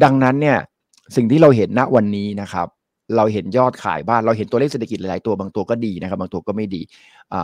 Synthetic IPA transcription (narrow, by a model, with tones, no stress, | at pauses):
da˧ŋna˦˥nːi˥˩ɐ | si˨˩ŋt̪ʰiː˥˩ɾa˧wɦe˩˦nːa˦˥ʔwa˧nːiː˦˥na˦˥kʰa˦˥p̚ | ɾa˧wɦe˩˦njɔː˥˩t̪̚kʰa̰ː˨˩˦jbaː˥˩nɾa˧wɦe˩˦nt̪u˧e˥˩se˨˩t̪ʰa˧kt̪la˦jlaː˨˦jt̪u˧ɐbaː˧ŋt̪u˧ɐkɔː˥˩diː˧na˦˥kʰa˦˥p̚ba˧ŋt̪u˧ɐkɔː˥˩ma˥˩jdḭː˧ | ʔaː˨˩